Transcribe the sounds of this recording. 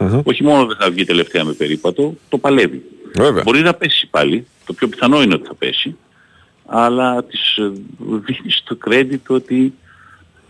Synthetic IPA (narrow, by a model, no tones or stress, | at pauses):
o̞çimo̞noðeθɐvʝit̪e̞le̞ft̪e̞ɐmepe̞ɾipɐt̪o̞t̪o̞pɐle̞vḭveveɐ̰bo̞ɾinɐpe̞si̥pɐ̰li | t̪o̞pço̞piθɐno̞ineo̞t̪i̥θɐpe̞̰si | ɐlɐt̪iz̥ | ðinist̪o̞kɾe̞d̪it̪o̞t̪i